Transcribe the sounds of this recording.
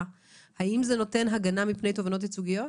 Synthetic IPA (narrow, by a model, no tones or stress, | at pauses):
haimzeno̞te̞nɦaɡanamipne̞jt̬o̞vano̞t̬hit͡suɡijo̞